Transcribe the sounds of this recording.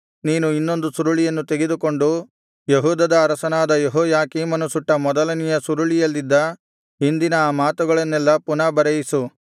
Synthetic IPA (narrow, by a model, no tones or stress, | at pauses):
niːnuinːo̞nd̪usuɾuɭijɐnːut̪eɡed̪uko̞ɳɖu | jeɦuːd̪ɐd̪ɐːɾɐsɐnaːd̪ɐjeɦɔːjaːkiːmɐnusuʈːɐmɔd̪ɐlɐnijɐsuɾuɭijɐlːid̪ːɐ | ɦind̪inɐːmaːt̪uɡɐɭɐnːɛlːɐpunɐbɐɾɐjisu